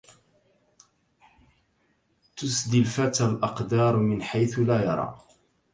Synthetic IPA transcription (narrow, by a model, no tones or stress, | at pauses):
t̪ʊsd̪ɪlfat̪alʔɑqd̪ɑːɾˤmɪnħajθʊlaːjɑ̰ɾˤɑ̰ː